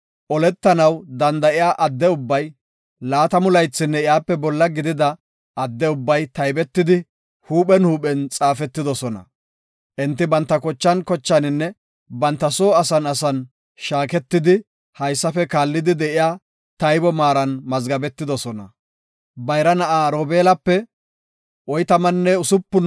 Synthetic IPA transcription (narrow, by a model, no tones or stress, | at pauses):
ʔɔlɛt̪ːɐnɐwd̪ɐnd̪ɐʔɪjaːʔɐd̪ːɛʊbːɐj | laːt̪ɐmʊlɐjt͡sːɪnːɛɪjaːpːɛbɔlːɐɡɪd̪ɪd̪ɐ | ɐd̪ːɛʊbːɐjt̪ɐjbɛt̪ːɪd̪ɪ | huːpɛnhuːpɛnt͡sʼaːfɛt̪ːɪd̪ɔsɔnɐ̰ | ʔɛnt̪ːɪbɐnt̪ːɐkɔt͡ʃːɐnkɔt͡ʃːɐnɪnːɛ | bɐnt̪ːɐsoːɐsɐnɐsɐn | ʃaːkɛt̪ːɪd̪ɪ | hɐjsːɐfɛkaːlːɪd̪ɪd̪ɛʔɪjaː | t̪ɐjbɔmaːɾɐnmɐzɡɐbɛt̪ːɪd̪ɔsɔnɐ̰ | bɐjɾɐnɐʔaːɾoːbeːlɐpːɛ | ɔjt̪ɐmɐnːɛʊsʊpːʊn